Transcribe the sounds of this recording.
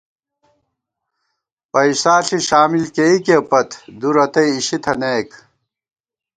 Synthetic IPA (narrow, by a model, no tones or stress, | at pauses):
pɐiɕt̪aːɬiɕaːmilkeikepɐt̪ʰd̪uɾɐt̪ɐjːɕit̪ʰɐneːk